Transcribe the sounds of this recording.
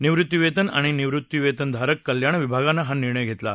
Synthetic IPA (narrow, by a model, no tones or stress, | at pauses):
niʋɾut̪ːiʋet̪əna̰ɽ̃iniʋɾut̪ːiʋet̪ənd̪ʱaɾəkːəljaɳ̃ʋibʱaɡanːaɦaniɾɳəjɡʱet̪la̰